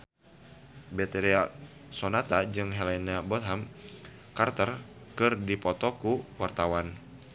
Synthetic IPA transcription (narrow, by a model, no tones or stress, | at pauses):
bɛt̪eɾia | sonat̪ad͡ʒɨŋɦɛlɛnabɔt̪ɦam | kart̪ərkɨrdipɔt̪ɔkuwart̪awan